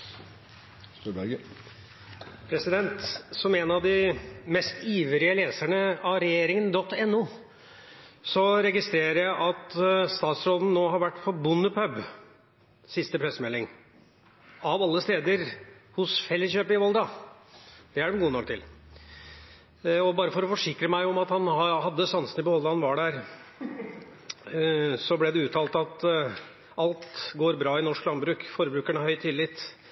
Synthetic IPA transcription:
st̪ubæɡə | pʰɾɛsɪd̪ɛnt̪sɔmɛnɑʋd̪ɪmɛst̪iːʋəɾɪəleːsæɳəɑɾɛjeːɾɪŋənd̪ɔt̪ːɛnːuː | sɔɾɛɡɪst̪ɾeːɾəɾjæɪʔɑt̪st̪ɑːt̪sɾoːd̪n̩nːoːɦɑɾʋæʈːpʰɔbʊnːəpʰœb | sɪst̪əpʰɾɛsːmɛlːɪŋ | ɑʋɑlːəst̪eːd̪əɾhʊsfɛlːɪçøːpɪɔld̪ɾɑ | d̪̥ɛæɖɛnɡuːənɔkt̪ʰɪl | ɔbɑːɾəfɔɾɔfɔʂɪkɾəmæɪɔmɑt̪hɑnɑhɑd̪ːəsɑnsənɪpɔhɔld̪əɑhɑnʋɑɖæɾ | sɔblɛd̪ɛʉːt̪ʰɑːlt̪ɑt̪ | ʔɑlt̪ɡoːɾbɾɑːɪnɔʂklɑnbɾʉːkfɔɾəbɾʉːkæɳəhœʏt̪ʰɪlːɪt̪ː

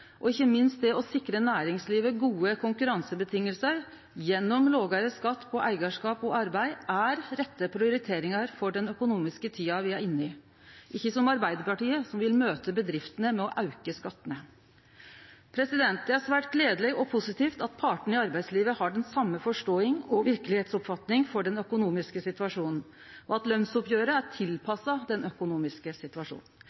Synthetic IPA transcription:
ʔɔɪçːəmɪnst̪̚d̪ɛɔsɪkɾənæːɾɪŋsliːʋəɡuːəkʰʊŋkʉɾɑnsəbət̪ʰɪŋːəlsəɾ | jɛnːɔmloːɡɑɾəskɑt̪ːpʰɔʔæɪɡɑʂkɑːpɔɑɾbæɪʔæɾɾɛt̪ːəpʰɾɪʊɾɪt̪ʰeːɾɪŋɑɾfɔɖɛnœkʊnuːmɪskət̪ʰiːɑʋɪæɾɪnːɪ | ʔɪçːəsɔmɑɾbæɪd̪əɾpɑʈiːəsɔmʋɪlmøːt̪əbəd̪ɾɪft̪ənəmɛɔʔɑʉkəskɑt̪ːənə | pʰɾɛsɪd̪ɛnt̪æɾʂʋæːʈɡleːd̪əlɪɔpʰʊsɪt̪ʰiːft̪ɑt̪̚pʰɑʈɳ̩ɪɑɾbæɪd̪sliːʋəhɑɖɛnsɑmːəfɔʂʈoːɪŋɔʋɪɾkəlɪheːt̪sɔpfɑt̪nɪŋfɔɖɛnœkʊnuːmɪskəsɪt̪ʉɑʂuːnn̩ | ʔɔɑt̪lœnsʊpjøːɾəæʈʰɪlpʰɑsːɑd̪ɛnœkʊnuːmɪskəsɪt̪ʋɑʂṵːnn̩

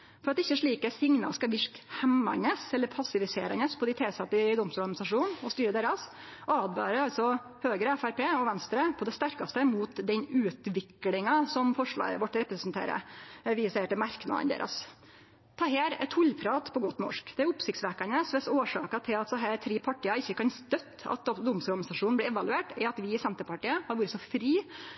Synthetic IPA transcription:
fɔɾɑt̪ɪçːəʂɭiːkəsɪŋnɑ̰skɑʋɪʂkhɛmːɑ̰nəsɛlːəɾpʰɑsɪʋɪseːɾɑnəspʰɔd̪ɪt̪ʰeːsɑt̪ɪd̪ɔmst̪uɾɡnɪsɑʂuːnɔst̪yːɾəd̪eːɾɑsɔɑːd̪bø̰ːɾəɾɑlt̪sɔ | høːɡɾəæfæɾpeːɔʋɛnst̪ɾəpʰɔd̪ɛst̪æɾkɑst̪əmuːt̪d̪ɛnʉːt̪ʋɪklɪŋɑsɔmfɔʂɭɑ̰ːɡə̰ʋɔʈːɾɛpɾəsnt̪ʰḛːɾə̰ʋɪsæɪəʈɪmɑɾknɑ̰d̪ə̰nd̪ḛːɾʔɑ̰s | t̪ʰɑːɦeːɾɛ̰t̪hʊlːpʰɾɑːt̪pʰɔɡɔt̪ːnɔ̰ʂkd̪̥ɛæɾʊpsɪkt̪sʋæɾkɑnəsʋɛsoːʂɑ̰ːkɑt̪ʰɪlɑt̪sɛɦæːɾt̪ʰɾiːpʰɑʈːiːɑɪçːəkɑnst̪œt̪ːɑ̰t̪̚d̪ʊmsɔɾɡɑnɪsɑʂuːn̩b̪liːɛʋɑlʉeːʈɛɑt̪ʋɪɪsɛnt̪əɾpɑʈiːəhɑɾʋuːɾəsɔfɾiː

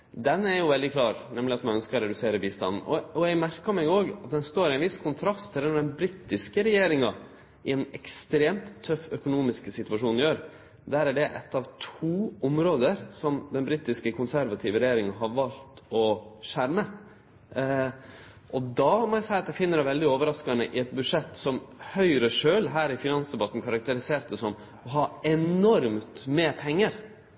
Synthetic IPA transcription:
d̪ɛnːæɾjʊʋɛld̪ɪkʰlɑːɾnɛmlɪɑt̪mɛnœnskəɾɔɾɛd̪ʉseːɾəbiːst̪ɑ̰nn̩ɔ̰ɔɛɡmæɾkəɾmɛɡoːɡɑt̪̚d̪ɛnst̪oːɾɪæɪnʋɪskʰʊnt̪ʰɾɑst̪ʰːɪlɛnɖ̪ɛnbɾit̪ɪskəɾɛjeːɾɪŋɑ | ɪɛnɛkst̪ɾeːmt̪ʰːœfːœkʊnuːmɪskəsɪt̪ʉʋɑʂuːnɪjøːɾ | d̪æːɾæɖɛʔɛ̰t̪ːɑʋt̪ʰuːʊmɾoːd̪əɾsɔmd̪ɛnbɾiːt̪ɪskəkʰʊnsæɾʋɑt̪ʰɪːʋəɾɛjeːɾɪŋɑɦɑʋɑlt̪ɔʃæɾmə | ʔɔd̪ɑmɔæɪsæɪɑt̪æɪfɪnːəɾɛʋɛld̪ɪoːʋəɾɑskɑnəʔɪɛt̪̚bʉd̪ʂɛt̪ːsɔmhœʏɾəʂøːlɦæːɾɪfɪnɑnsd̪ɛbɑt̪ːn̩kʰɑɾɑk̚t̪əɾɪseːɾt̪əsɔm | ɔɦɑɛnɔɾmt̪meːpʰɛŋːəɾ

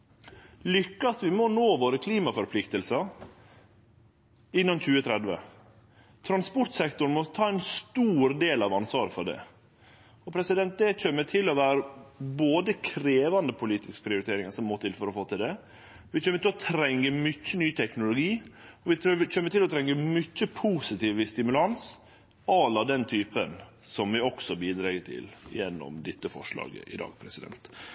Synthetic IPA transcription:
lʏkːɑst̪ʋɪmɔnoːʋoːɾəkʰliːmɑfɔɾpʰlɪkt̪əlsɑ | ɪnːɑnçʉːət̪ʰɾɛd̪ʋə̰ | t̪ʰɾɑnspɔɾʈ̪sɛkt̪ʊɾnmɔt̪ʰɑːɛnst̪uːɾd̪eːlɑʋɑnsʋɑːɾəfɔɖɛ̰ | ɔpʰɾɛsɪd̪ɛnt̪̚d̪ɛt͡ʃømːət̪ʰɪlːɔʋæːɾəboːd̪əkʰɾeːʋɑnd̪əpʰʊliːt̪ʰɪskpʰɾɪʊɾɪt̪ʰeːɾɪŋɑsɔmmoːt̪ʰɪlfɔɾɔfoːt̪ɪld̪ɛ | ʋɪt͡ʃʰøːməɾt̪ɪlɔt̪ʰɾɛŋːəmʏt͡ʃːənyːt̪ʰɛknʊlʊɡiːɔʋɪt͡ʃømːət̪ɪlɔt̪ʰɾɛŋːəmʏçːəpʰuːsɪt̪ʰiːʋʋɪst̪ɪmʉlɑns | ɑlːɑd̪ɛnt̪ʰyːpənsɔmʋɪɔksɔbiːd̪ɾɑːɡət̪ʰɪ̰ljɛnːɔ̰md̪ɪt̪ːəfɔ̰ʂɭɑ̰ːɡə̰ʔɪ̰d̪ɑ̰ːɡ̚pʰɾɛsɪd̪ɛ̰nt̪

